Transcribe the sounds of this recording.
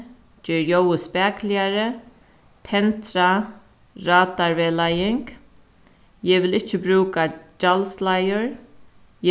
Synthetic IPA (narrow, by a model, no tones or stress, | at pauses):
d͡ʒɛːɹjowəspɛːklɪaɾə | t̪ʰɛnt̪ɾa | ɹaːt̪aɹʋelajɪŋk | jɛʋɪlɪht͡ʃːəbɾʉːkad͡ʒalslajʊɹ